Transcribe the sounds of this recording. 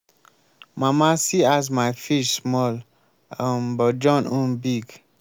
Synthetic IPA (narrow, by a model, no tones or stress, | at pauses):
mamasiazmajfiʃmɔl | ə̃mbɔd͡ʒɔ̃nũnbiɡ